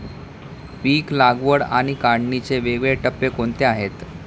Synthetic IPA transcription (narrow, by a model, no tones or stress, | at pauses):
piːklaɡʋəɽa̰ɽ̃ikaɳnit͡seʋeɡɭeʈəpːekoɳt̪eaɦet̪